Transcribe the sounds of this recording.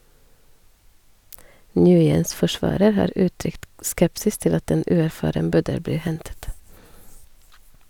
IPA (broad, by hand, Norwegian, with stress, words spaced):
ˈnjʉːjəns fɔˈʃʋɑːɾəɾ ˈhɑːɾ ˈʉːˌtɾʏkt ˈskɛpsɪs ˈtɪl ˈɑt ˈeːn ˈʉːæɾˌfɑːɾəm ˈbœdəl ˈbliː ˈhɛntət